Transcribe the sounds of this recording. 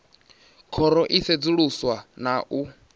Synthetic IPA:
kʰɔɾɔʔised͡zuɺuswanaʔu

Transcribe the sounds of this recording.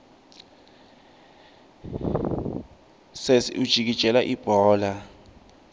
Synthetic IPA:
sesud̥ʒ̥ʱik̬id̥ʒ̥ʱɛlaʔib̥ʱɔːla

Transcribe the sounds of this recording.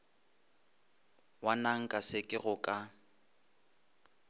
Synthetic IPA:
wanaŋ̩kʼasɪkʼɪɣʊkʼa

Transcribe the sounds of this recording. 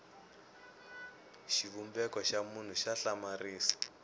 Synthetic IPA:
ʃiβumbɛkɔʃamun̤uʃaɬamariːsḁ

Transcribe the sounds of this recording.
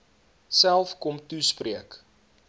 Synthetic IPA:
sælˠfkɔmtuspriək

